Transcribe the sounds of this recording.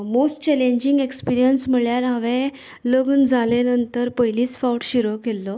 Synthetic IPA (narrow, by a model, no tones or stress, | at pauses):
mosʈt͡ɕɛlẽɲd͡ʑiŋɡekspiɾijənsm̤əɭjaɾɦaʋẽ | ləɡuːnd͡zʱalenənt̪əɾpəɦjliːsfawʈɕiɾokelːɔ